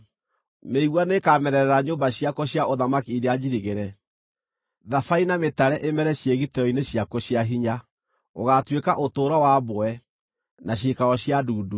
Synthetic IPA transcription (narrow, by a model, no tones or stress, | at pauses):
meiɣwanekamɛɾɛɾɛɾaɲombaɕiakɔɕjaoðamakiiɾead͡ʑiɾiɣeɾɛ | ðafainametaɾɛʔemɛɾɛɕjeɣitɛɾɔineɕjakɔɕjaɦiɲa | oɣatwekaʔotoːɾɔwaboɛ | naɕ̬ikaɣɔɕjaduːdu